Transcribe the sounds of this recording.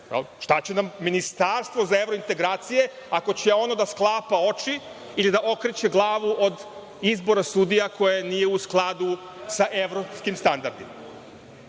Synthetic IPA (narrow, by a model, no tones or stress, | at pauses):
ʃt̪at͡ɕenamːinist̪aɾst̪ʋo̞zae̞vɾoint̪e̞ɡɾaːt̪sije̞ | ako̞t͡ɕeo̞no̞d̪asklˠaːpao̞t͡ʃi | ilid̪aʔo̞kɾet͡ɕe̞ɡlˠaːʋuʔod̪ | izbo̞ɾasud̪ijakʰo̞jeniːje̞usklˠad̪u | saʔe̞ʋɾopskimst̪and̪aɾd̪ḭma̰